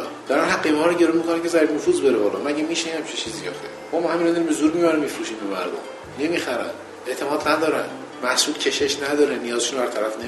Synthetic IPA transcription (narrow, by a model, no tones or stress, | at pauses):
d̥̪æɾænɦæɡemhɒːɾoɟe̞ɾonmikʰonæmcʲʰezæɾibnofuːzbe̞ɾebɒːlɒːmæɟʲemiːʃehæmt͡ʃʰit͡ʃʰiːzijɒ̰ːxt̪ʰemɒmɒːhæminɒnd̪ɔɾimbezuːɾmibæɾæmifɾuʃiːmbemæ̰ɾd̪o̰m | ne̞miːxæɾæ̰n | eʔt̪ʰe̞mɒːd̪næd̪ɒːɾæn | mæhsuːlcʰe̞ʃeʃnæd̪ɒːɾenijɒːzeʃunbæɾt̪ʰæɾæfne